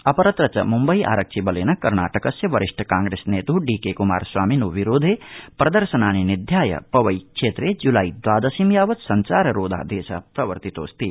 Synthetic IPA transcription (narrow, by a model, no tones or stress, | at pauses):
ɐpɐɾɐt̪ɾɐt͡ʃɐ̰mumbɐiʔa̰ːɾɐk̚t͡ʃʰibɐleːnɐkɐɾna̰ːʈɐkɐsjɐʋɐɾiʂʈʰɐkaːŋɡɾeːsneːt̪uɖiːkeːkuma̰ːɾswaːminoːʋiɾoːd̪ʱeːpɾɐd̪ɐɾʃɐnaːninid̪ʱjaːjɐ̰pɐʋɐjkʂeːt̪ɾeːd͡ʒulaːid̪ʋaːd̪ɐsimjaːʋɐt̪sɐɲt͡ʃaːɾɐɾoːd̪ʱa̰ːd̪eːsɐ̰pɾɐʋɐɾt̪it̪o̰ːst̪i